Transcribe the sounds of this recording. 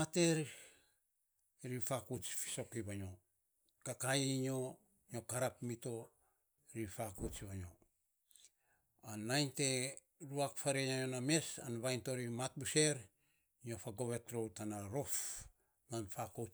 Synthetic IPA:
ate̞ɾ | ɾifakut͡ʃfi̥so̞kiβaɲo̞ | kakajɲo̞ | ɲo̞kaɾapmito̞ | ɾifakut͡ʃβaɲo̞ | anajnte̞ | ɾuakfaɾeɲajoname̞sa̰nβajnto̞ɾimat̚buse̞ɾ | iɲo̞faɡo̞βe̞tɾo̞wtanaɾo̞f | nanfako

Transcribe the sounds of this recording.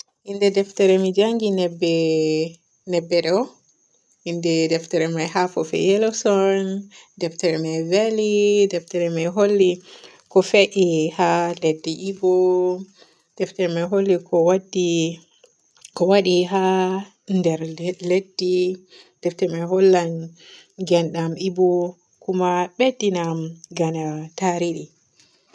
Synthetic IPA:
hindɛdɛftɛɾɛmid͡ʒaŋɡinɛbːɛ | nɛbːɛɗɔ | indɛdɛftɛɾɛmajɦafɔfɛ̰jɛlɔsɔndɛftɛɾɛmajvɛlidɛftɛɾɛmajɦolːi | kɔfɛʔihaledːiʔibɔ | d̥ɛftɛɾɛmɛɦolːikʰɔwadːi | kɔwaɗiɦa | ndɛɾledːi | d̥ɛftɛɾmɛɦolːan | ɡɛnɗamibɔ | kumaɓedːinamɡanataɾiɗi

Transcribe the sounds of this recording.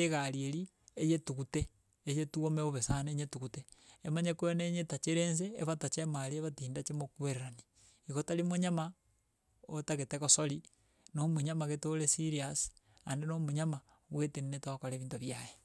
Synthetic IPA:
eɣaɾieɾi | ejetuɣuteː | jetuomeoβesaneɲetuɣuteemaɲekooneɲetat͡ʃeɾeːns̬ḛːβatat͡ʃemaɾieβatiːndat͡ʃemokweɾeɾani̥ | iɣotalimoɲama | otaɣetekosoli | nomuɲamaɣetolesiɾiasandenomuɲama | ɣweteninetaβakoɾeβiːntoβjaje

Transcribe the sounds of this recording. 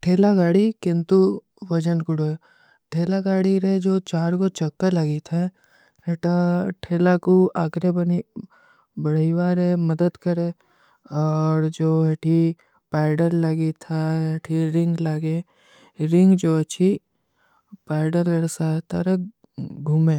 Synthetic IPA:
ʈʰeːlaɡaːɽikɪ̃nt̪u | ʋɐd͡ʒənkʊɽo | ʈʰeːlaɡaːɽiɾed͡ʒoːt͡ʃaːɾkot͡ʃɐkːəlɐɡit̪ʰa | ɦeːʈaʈʰeːlakuaːkɾebəni | bɐɽiʋaːɾɛməd̪əd̪kəɾẽ | ɔːɾd͡ʒoːɦeʈʰi | paːɪɖəɾləɡit̪ʰaeʈʰiɾɪ̃ŋɡlaɡe | ɾɪ̃ŋɡd͡ʒoːɐtːʃʰi | paːɪɖəɾlɐɽsaːt̪ɐɾək | ɡʱuːmẽː

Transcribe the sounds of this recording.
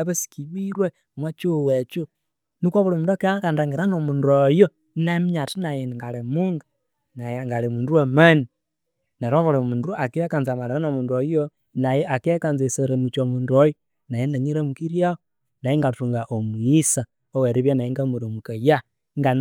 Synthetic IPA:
βasi̥kiβiɾwemwat͡ʃuwet͡ʃu | nikoβuɾamuːduakeakandaŋɡeɾanomundojo | namiɲatinajenŋɡalemuŋɡa | najeŋɡalemuːnduemani | naɾoβuɾamunduakiekanzamaɾanomuːndojo | najeakekanzeseɾemut͡ʃomuːndojo | najenaɲiɾemukiɾjao | najeŋɡatuŋɡaʔomuisa | oweɾiβjanajeŋɡamuɾomukaja | ŋɡan

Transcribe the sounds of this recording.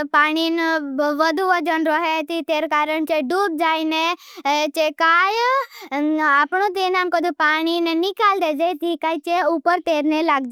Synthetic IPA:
paːɽ̃inʋəd̪ʱuʋəd͡ʒənɾɔɦet̪it̪eːɾkaːɾəɳt͡ʃeɖuːb̚d͡ʒaːine | t͡ʃekaːj | aːpɳ̃ũt̪enaːmkɔd̪upaːɽ̃innikaːld̪eːd͡ʒet̪ikaːit͡ʃeupəɾt̪eːɾnelaːɡd͡ʒe

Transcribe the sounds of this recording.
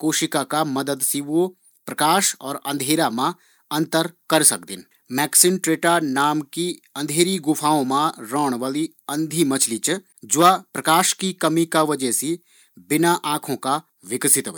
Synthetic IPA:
koːʃɪkakamɐd̪əd̪siʋo | pɾɐkaːʃɔːɾɐ̃nd̪ʱeːɾamã | ɐ̃nt̪əɾkɐɾsɐk̚d̪ɪ̰n | mɛːksɪnʈɾeːʈanaːmki | ɐ̃nd̪ʱeːɾiɡʊpʰaːõmãɾɔːɽ̃ʋaːli | ɐ̃nd̪ʱimɐt͡ʃʰlit͡ʃ | d͡ʒʊapɾɐkaːʃkikɐmikaʋɐd͡ʒɛsi | bɪnaʔãːkʰõka | ʋɪksɪt̪ʋ

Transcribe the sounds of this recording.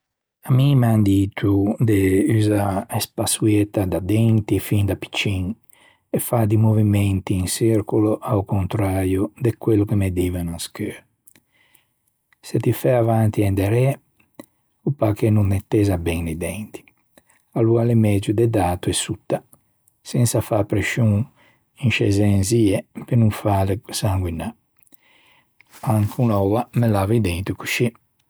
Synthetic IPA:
amimand̪it̪ud̪eyzaespasuɛt̪ad̪ad̪ɛnt̪ifind̪api̥t͡ʃːiŋ | ɛfad̪imovimɛnt̪iːŋsiɾkuloʔawkont̪ɾaːɾjod̪ekwelːokemed̪iːvɛnuskøɾ | sɛt̪ifɛavant̪iɛnd̪ɛɾɛ | upakenuŋmet̪ːɛːzabɛŋnid̪ɛnt̪i̥ | alualemɛd͡ʒud̪ɛd̪aːt̪uɛsut̪ːa | sɛnsafapɾeʃuŋ | iŋʃɛzɛnziɛpenuŋfaːlesaŋɡina | aŋkʰunɔvamelaːvid̪ɛnt̪ukuʃi

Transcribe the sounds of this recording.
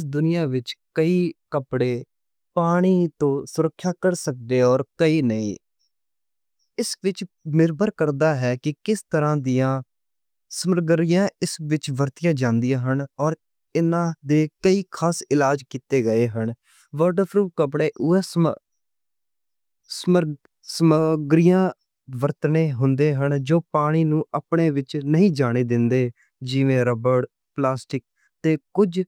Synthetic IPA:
ɪsd̪ʊnɪjaːʋɪt͡ʃkəiːkəpɽeː | paːɽ̃iːt̪õːsʊɾəkʰːjaːkəɾsək̚d̪eːɔːɾkəiːnəḭ̃ː | ɪsʋɪt͡ʃmɪɾbəɾkəɾd̪aːɦɛːkɪkɪst̪əɾãːd̪ɪjãː | səməɾɡəɾɪjãːɪsʋɪt͡ʃʋəɾt̪ɪjãːd͡ʒãːnd̪ijãːɦənɔːɾ | ɪnãːd̪eːkəiːkʰaːsɪlaːd͡ʒkiːt̪eːɡəeːɦəɳ | ʋəɾʈəɾpʰɾuːkəpɽeːʔʊɛːs | sməɾ | səmɡɾɪjãː | ʋəɾt̪neːɦʊnd̪eːɦəɳd͡ʒoːpaːɽ̃iːnũːʔəpɳeːʋɪt͡ʃnəɦĩːd͡ʒaːɽ̃eːd̪ɪnd̪eː | d͡ʒiːʋẽːɾəbəɽ | plaːsʈɪk̚ | t̪eːkʊd͡ʒ

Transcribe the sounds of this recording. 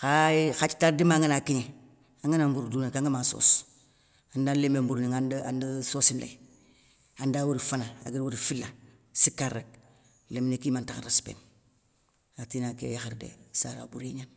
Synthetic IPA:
xaxat͡ʃtaɾdimaŋənakiɲe | aŋanambuɾudunakaŋɡamaso̰s | andanlemembuɾniŋandandəsosimla̰i | andawuɾifanaa̰ɡiwuɾifilːa | sikaɾek̚ | lemnekimantakaɾaspḛːn | atinakḛjaxaɾdḛsa̰ɾa̰buɾiɲan

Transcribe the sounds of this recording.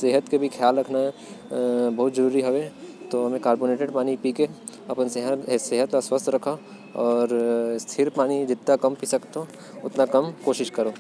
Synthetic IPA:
seːɦət̪kebʱikʰjaːlɾɐkʰnaɦɛ | bɐɦʊt̪d͡ʒɐɾuːɾiɦoʋet̪oɦɐmẽkaːɾboːneːʈeɖpaːnipiːke | ɐpənseɦəseːɦət̪aswəst̪ʰɾɐkʰa | ɔːɾst̪ʰɪɾpaːnid͡ʒɪt̪ːakɐmpisɐkt̪ɦõ | ʊt̪nakɐmkoːʃɪʃkɐɾoː

